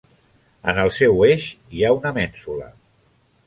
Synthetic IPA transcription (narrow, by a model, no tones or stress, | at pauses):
ə̰nəlˠsɛweʃ | iaunəmɛnsulə̰